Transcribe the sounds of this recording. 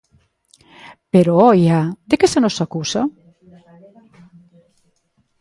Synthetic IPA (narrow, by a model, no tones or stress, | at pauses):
peɾoɔjad̪ekesenosakusa